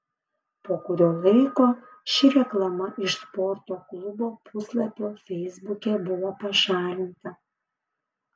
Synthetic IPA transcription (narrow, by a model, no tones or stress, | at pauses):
poːkʊɾʲoːlˠɐɪkoː | ʃʲɪɾʲɛklˠɐmɐʔɪʃspɔɾt̪oːklˠʊboːpʊslˠɐpʲoːfʲɛɪzbʊkʲɛbʊʋopɐʃɑːlʲɪnt̪ɐ